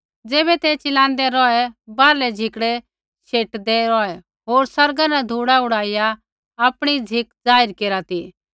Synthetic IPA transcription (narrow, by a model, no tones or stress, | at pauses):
d͡zeːbɛt̪ɛt͡ʃɪlãːnd̪ɛɾɔɛbaːɾlɛd͡zʱɪkɽɛ | ʃʰeːʈd̪ɛɾɔɛ | ɦoːɾsɐɾɡanɛd̪ʱuːɽaʊɽaːijaː | pɽ̃id͡zʱɪkd͡zaːɪɾkeːɾat̪i